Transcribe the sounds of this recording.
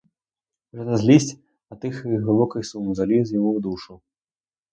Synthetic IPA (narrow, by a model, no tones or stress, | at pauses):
ʐɐnɐzʲlʲisʲt͡sʲ | ɐt̪ɨxɣɨbˠɔkɐjsumzalʲizjamuwd̪uʂɨw